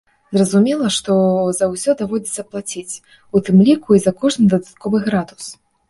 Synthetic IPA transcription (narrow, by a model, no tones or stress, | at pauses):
zrɐzumʲɛlˠɐʂt̪ɔzɐwsʲɔd̪avɔd͡zʲɛt̪sɐplˠat͡sʲit͡sʲ | ut̪ɨmlʲikuizɐkɔʐnɨd̪ɐd̪at̪̚kɔvɨɣɾad̪us